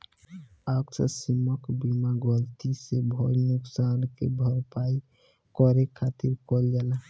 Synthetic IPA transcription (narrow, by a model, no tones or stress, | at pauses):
aksə̰simɔkbimaɡɔlt̪isebʱɔɾnuksankebʱɔɾpai | kɔɾekʰːat̪iɾkɔld͡ʒela